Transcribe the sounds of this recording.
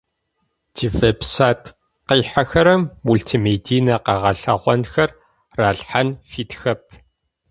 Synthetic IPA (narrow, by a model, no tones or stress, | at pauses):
tʰifɐpsaːtʰ | qiːħaxɐɾɐmːuɮtʰimeːdʰiːnɐqɐʁɐɬɐ̰ʁʷɔnxɐr | raːɬħanfiːtxɐp̚ʰ